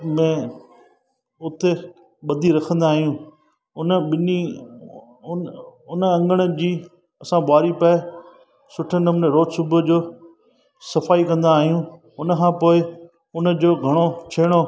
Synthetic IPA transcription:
mɛ̃ː | ʊt̪ʰe | ɓɐd̪ʱiɾɐkʰə̃nd̪aːɦjũː | ʊnəɓɪni | ʊnəɐ̃ŋɡəɽ̃əd͡ʑiː | ɐsãɓaːɾipɛɪ | sʊʈʰənəmnəɾoːd͡ʑsʊbʱəd͡ʑoː | sɐfaːikɐ̃nd̪aːɦijũ | ʊnəkʰãːpoːɪ | ʊnə̆d͡ʑoːɡʱɐɽ̃ot͡ɕʰeːɽ̃o

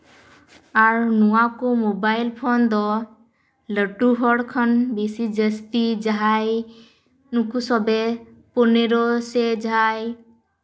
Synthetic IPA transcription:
aɹnuwakomobajlpʰɔnd̪ɔ | ləʈuɦɔɽkʰɔnbisid͡ʒəstid͡ʒaɦaj | nukusɔbɛ | pɔneɾɔsed͡ʒaj

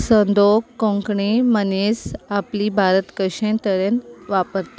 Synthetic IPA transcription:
sənd̪okːɔ̃ŋkɳimənisapliːbʱaɾət̪kəɕẽnt̪əɾẽnʋapəɾt̪a

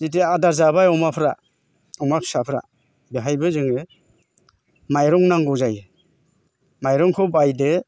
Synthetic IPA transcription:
zit̬eadaɾzabajɔmapʰɾa̰ | ɔmapʰsapʰɾa̰ | beɦajbɯzɯŋɯ | majɾɔŋnaŋɡɔwzaj | majɾɔŋkʰɔbajdɯ

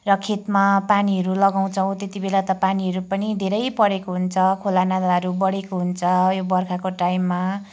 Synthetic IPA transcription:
rʌkʰet̪mapaniɦʌɾulʌɡaw̃t͡sʰʌw̃t̪et̪ibelat̪ʌpaniɦʌɾupʌnid̪ʱeɾʌjpʌɽekoɦunt͡sʰʌkʰolanad̪aɦʌɾubʌɽekoɦunt͡sʰʌjobʌrkʰakoʈajmːa

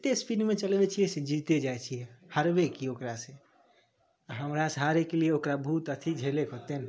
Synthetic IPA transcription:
t̪espinmẽt͡ʃəlbet͡ʃʰijɛsed͡ʒit̪ed͡ʒaet͡ʃʰijɛhəɾbekiokɾase | aɦəmɾasɦaɾekelieokɾabʱuːt̪ət̪ʰid͡ʒʱelekɦot̪en

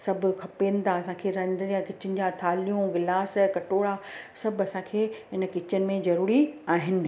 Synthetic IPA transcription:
sɐbʱʊ̆kʰɐpeːnɪ̆t̪ʰaɐsãːkʰeːɾɐ̃d̪jãkɪt͡ɕɪnɪ̆d͡ʑat̪ʰaːlijũɡɪlaːskɐʈoːɽasɐbʱɐsãkʰeːɦɪnə̆kɪt͡ɕənɪ̆mẽzɐɾuːɾiaːɦɪnɪ̆

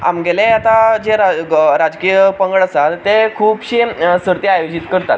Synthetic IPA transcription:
a̰mɡelẽat̪ad͡ʑeɾaɾad͡zkijəpəŋɡəɭəsalt̪ekʰuːbɕisəɾt̪eajod͡ʑit̪kəɾt̪at̪

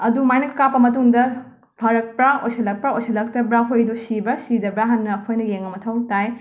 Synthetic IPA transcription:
ɐdumajnɐkːapːɐmɐtuŋdɐ | pʰɐɾɐk̚pɾaojsɐlɐk̚pɾaojsʰɐlɐk̚tɐbɾaɦojdusibɐsidɐbɾaɦɐnːɐːkʰojnɐjeŋɐmɐtʰɐwtaj

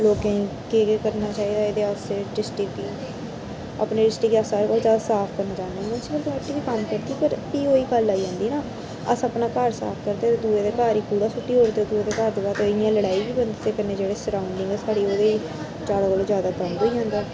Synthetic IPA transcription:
loːkẽkekːkəɾnaːt͡ʃaːiːd̪aːeːd̪eːʊseːɖɪsʈɪki | a̰pneːɖɪsʈɪkasaːɾeːkoːld͡ʒaːsaːpʰkəɾnaːd͡ʒaːneːmənsiːbəlk̪mɛʈʰːiːʋiːkəmkəɾt̪iːpəɾiːoːiːkəlːaːiːd͡ʒãːnd̪iːnaː | əsəpnaːkəɾsa̰ːpʰkəɾd̪eːt̪eːd̪uːeːd̪eːkaːɾiːkuːɽaːsʊʈːiːɦoːɾt̪ed̪uːeːd̪eːkaɾd̪eːbaːt̪ojãːləɽaːiːbiːbənd̪ːt̪eːkəɾneːd͡ʒeːɽeːsəɾaːʊɳɖɪ̃ŋɡɛːsaːɽiːoːd̪eiː | t͡ʃaːɽokoloːzjaːd̪aːbə̃nd̪ɦoːiːd͡ʒãːnd̪aː

